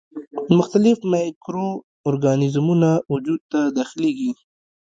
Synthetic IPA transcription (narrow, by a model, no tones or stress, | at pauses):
mʊxt̪alɪfmakɾoː | ɾɡanɪzmunawʊd͡ʒud̪̚t̪ad̪ɑxɪleɡi